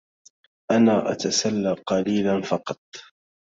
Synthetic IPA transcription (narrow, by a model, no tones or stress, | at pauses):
ʔanaːʔa̰t̪asalːaːqɑliːlanfɑqɑt̪̚ˤ